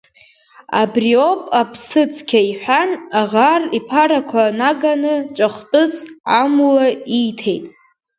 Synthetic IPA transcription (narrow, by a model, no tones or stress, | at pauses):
a̰brio̞pʼapʰsɨt͡sʰʼkʲʰaiħʷᶣanaʁaripʰaɾakʷʰanaɡanɨt͡ʃʷʼaχtʼʊzʕamulaijtʰe̞jtʼ